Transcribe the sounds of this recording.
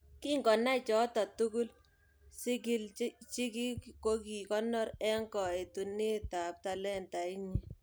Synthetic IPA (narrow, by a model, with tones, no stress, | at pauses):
ki˦ŋɡɔ˨na˦t͡ʃɔ˨˦tɔ˨tu˦kʊ˦l | sɪ˦ki˦lt͡ʃi˦ki˦kko˦ki˨kɔ˦nɔ˦ɾɛ˦ŋkɔ˨e˨tu˨nɪ˦ta˨p̚ta˨lɛ˦nta˨i˦ɲi˦